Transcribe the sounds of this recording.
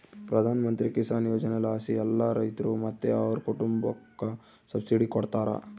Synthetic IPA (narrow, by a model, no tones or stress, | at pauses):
pɾɐd̪ʱaːnɐmɐnt̪ɾikisaːnjoːd͡ʒɐnelaːsiɛlːɐɾɐjt̪ɐɾumɐt̪ːeɐʋɐɾukuʈumbɐkːɐ | sɐbsiɖikɔɽt̪aːɾɐ̰